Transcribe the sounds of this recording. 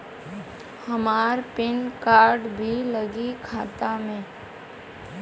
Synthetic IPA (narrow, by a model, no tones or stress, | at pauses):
həmaːɾpɪnkaːɾɖbʱiləɡikʰaːt̪amẽ